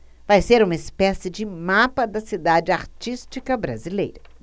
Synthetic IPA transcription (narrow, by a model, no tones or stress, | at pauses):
vajseɾũmɐɪspɛsɪd͡ʒɪmapɐd̪ɐsid̪ad͡ʒɪaɾt͡ʃist͡ʃikɐbɾa̰zilejɾɐ